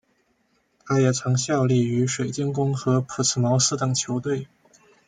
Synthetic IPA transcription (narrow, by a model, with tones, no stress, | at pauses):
t̪ʰa˥jɛ˨˩t͡sʰɑ˧˥ŋɕjɑ˥˧ʊli˥˩y˧˥ʂwe˨˩ɪt͡ɕi˥nkʊ˥ŋxɤ˧˥pʰu˨˩t͡sʰɹ̩˨˩mɑ˧˥ʊsɹ̩˥t̪ɤ˨˩ŋt͡ɕʰjo˧˥ʊt̪we˥˩ɪ